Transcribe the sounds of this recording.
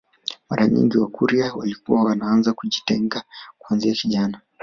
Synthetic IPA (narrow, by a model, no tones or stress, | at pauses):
maɾaɲḭŋɡiwakuɾiawalikuwawanaanzakuʄitɛŋɡakuanziakiʄana